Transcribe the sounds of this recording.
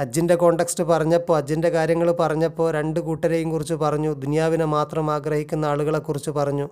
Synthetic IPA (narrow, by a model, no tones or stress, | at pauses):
ɐd͡ʑːinde̞ko̞ːɳɖe̞ksʈɨpɐrɐɲːɐpːo̞ːɐd͡ʑːinde̞kaːɾjɐŋːɐɭpɐrɐɲːɐpːo̞ːɾe̞ɳɖukuːʈːɐɾejumkurit͡ɕːupɐrɐɲːud̪unijaːʋinemaːt̪rɐmaːɡrɐhikʲːunːɐaːɭuɣɐɭe̞kːurit͡ɕːupɐrɐɲːu